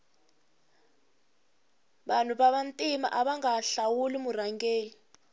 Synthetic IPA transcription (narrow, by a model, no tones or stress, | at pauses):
ɓan̤uɓaɓantʼima̰ʔaɓaŋɡaɬawulimuraŋɡeːli